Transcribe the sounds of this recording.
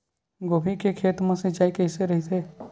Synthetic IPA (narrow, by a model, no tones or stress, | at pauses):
ɡoːbʱikekʰeːt̪mãsed͡ʒaːikəɦɪseɾɐɦit̪ʰeː